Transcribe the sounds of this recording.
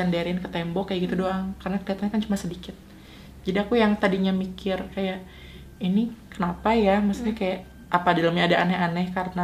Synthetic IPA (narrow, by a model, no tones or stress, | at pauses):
andaɾɪnkət̪ɛmbɔkajaʔɡit̪udoaŋkarənakəliat̪anɲakant͡ʃumasədikɪt̪̚ | d͡ʒadiakujaŋt̪adiɲamikɪrkajaʔ | inikənapajaməsu̥ɲakajaʔ | ʔapadaləmɲaːdaʔanɛanɛhkarəna